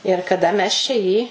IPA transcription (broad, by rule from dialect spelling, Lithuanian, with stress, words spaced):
ɪr kɐˈdɐ mʲɛs t͡ʃʲɛ ˈjiː